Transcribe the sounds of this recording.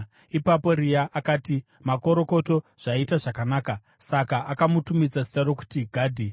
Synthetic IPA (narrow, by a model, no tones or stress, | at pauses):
ipapo̞ɾijaʔakaːti | mako̞ɾo̞ko̞to̞ʐ̥aitaʐakanaːka | sakaʔakamutumid͡zasi̥taɾo̞ku̥tiɡʱaːdʱi